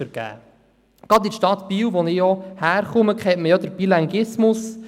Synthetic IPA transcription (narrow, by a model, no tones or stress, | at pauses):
əɾɡ̥æ̰ː | ɡ̥ɑd̪iʃtɑt̪piːwʋɔnɪjɔhæːɾχʊməkχɛtməjɔd̪əɾb̥ilɑŋɡɪsmʊs